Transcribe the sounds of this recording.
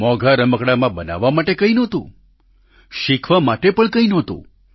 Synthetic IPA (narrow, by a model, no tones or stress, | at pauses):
mɔɡʱaɾəməkɽamãbəna̰ʋːamaʈekəinɔ̃t̪ṵ̃ | ʃikʰʋamaʈepəɳkəĩnɔ̃t̪ṵ̃